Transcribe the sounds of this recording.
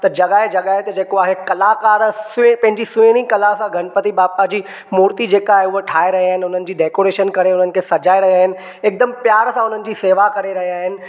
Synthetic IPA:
t̪ɐd͡ʑɐɠaːed͡ʑɐɠaːɦet̪ɐd͡ʑeːkoaːɦekɐlakaːɾsʊpɐ̃ɦɪ̃ɲd͡ʑisʊ̃ɪɽ̃ikɐlasãɡʱɐñpət̪ibaːpad͡ʑiː | muːɾt̪id͡ʑeːkaːɦeʊɦoʈʰaːeɾɐɦiaːɦɪnɪ̆ʊn̤ənɪ̆d͡ʑiːɖeːkoːɾeːʃənkɐɾeʊn̤ənɪ̆kʰeːsɐd͡ʑaːeɾɐɦiaːɦɪnɪ̆ | ɪk̚d̪ɐmpjaːɾsãʊn̤ənɪ̆d͡ʑiːseːʋakɐɾeɾɐɦiaːɦɪnɪ̆

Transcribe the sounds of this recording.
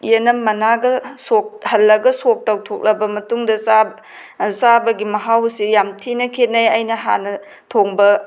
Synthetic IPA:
jenɐmːɐnaɡɐsok̚hɐlːɐɡɐsok̚tɐwtʰok̚lɐbɐmɐtuŋdɐsa | sabɐɡimɐɦawsijamtʰinɐkʰetnɐjɐjnɐɦa̰nɐ | tʰoŋbɐ

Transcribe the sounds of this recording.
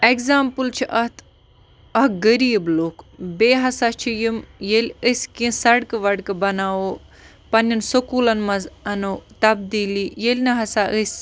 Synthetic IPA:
ekzaːmpɨlt͡ʃʰiʔɐt̪ʰ | ɐɡəɾiːbloːkbeːɦɐsat͡ʃʰijimjelʲəsʲkĩsɐɽkʋɐɽkbɐnaːoː | pɐnʲɐnsukuːlɐnmɐzɐnoːt̪ɐbd̪iːliːjelʲnɐɦɐsaʔəsʲ

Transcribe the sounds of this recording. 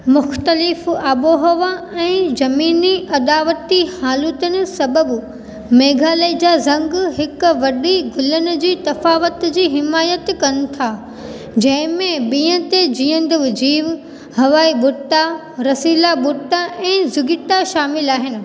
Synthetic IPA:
mʊxt̪əlɪfaːɓoɦɐʋaɛ̃ːzɐmiːniʔɐd̪aːʋət̪ihaːlʊt̪ənɪ̆sɐbəb | meːɡʱaːled͡ʑaːzɐ̃ŋɡɦɪkʋɐɗiɡʱʊlənʊ̆d͡ʑiːt̪ɐfaːʋət̪d͡ʑiːɦɪmaːjət̪kɐnɪ̆t̪ʰaː | d͡ʑɐ̃ɦɪ̃mẽbĩːə̃t̪ed͡ʑiːə̃nd̪əʋd͡ʑiːʋ | hɐʋaːiɓʊt̪a | ɾɐsiːlaɓʊt̪aʔɛ̃ːzʊɡɪt̪aʃaːmɪlaːɦɪnɪ̆

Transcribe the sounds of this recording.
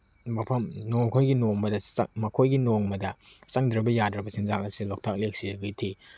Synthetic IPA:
mɐpʰɐmnoŋkʰojɡinoŋmɐdɐsmɐkʰojɡinoŋmɐdɐsaŋdɾɐbɐjadɾɐbɐsinzakɐsilok̚tʰak̚lek̚siɾɐɡitʰi

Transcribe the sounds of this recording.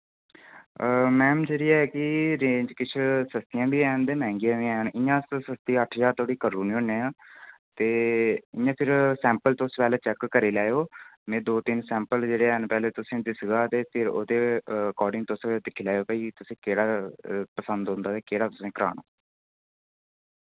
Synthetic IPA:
mɛ̃ːmd͡ʒeɾiːaːɛkɪɾẽːɲd͡ʒkɪt͡ʃʰsəst̪ɪjãːbiːɛːnd̪eːmɛ̃ːŋɡijãːʋiɛənɪjãːssəst̪iəʈʰd͡ʒaːɾt̪ʰoːɽiːkəɾuːnĩːʊneːãːt̪eːɪãːpʰɪɾsɛ̃ːmpəlt̪õspɛːleːt͡ʃɛkːəɾiːlaːejoːmɛ̃ːd̪oːt̪ɪnsɛ̃ːmpəld͡ʒeːɽeːɛnpɛːleːt̪ʊsẽːd̪ɪsɡaːt̪eːpʰɪɾo̰ːd̪eːəkɔːɾɖɪ̃ŋɡt̪osd̪ɪkʰːiːlaːjoːkəiːt̪ʊsẽːkeːɽaːpəsənd̪ɦʊ̃nd̪aːt̪eːkeːɽaːt̪ʊsẽːkəɾa̰ːna̰ː

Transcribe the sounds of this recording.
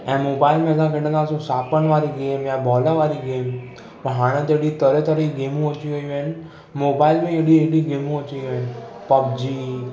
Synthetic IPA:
ɛ̃mobailmɛ̃ɡãkɪʈːə̃k̪ãsũsapəɳʋaɾiɡemjãbɔlaʋaɾiɡem | pəɳɦaɽ̃ə̃t̪eɽit̪əɾɛt̪əɾiɡemũot͡ʃiojʋen | mobailmẽeɽieɽiɡemũõt͡ʃiʋen | pəb̚d͡ʒi

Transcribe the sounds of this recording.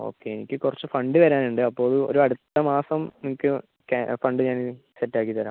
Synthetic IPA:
o̞̰ːkːeːenikʲːɨkurɐt͡ɕːufɐɳɖɨʋɐɾaːnuɳɖɨɐpːo̞ːɭɐɭɨo̞̰ɾuɐɽut̪ːɐmaːsɐmnimukʲːɨ | kafɐɳɖɨɲaːni | setːaːkːit̪ːɐɾa̰ː

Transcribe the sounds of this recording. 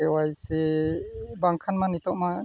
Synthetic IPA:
ɛwajsɛ | baŋkʰanmanit̪ɔʔma

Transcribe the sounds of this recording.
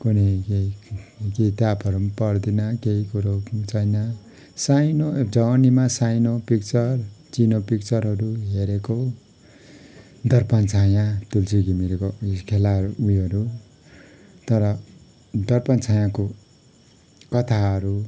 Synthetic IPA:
kuneke | keit̪apʌɾupʌrd̪inʌkeikuɾot͡sʰʌjnʌ | sajnod͡zʌwnimasajnopik̚t͡sʌrt͡sinopik̚t͡sʌɾɦʌɾuɦeɾeko | d̪ʌrpant͡sʰajãt̪ult͡siɡimiɾkokʰelauʌɾu | t̪ʌɾʌ | d̪ʌrpant͡sʰajãko | kʌt̪ʰaɦʌɾu

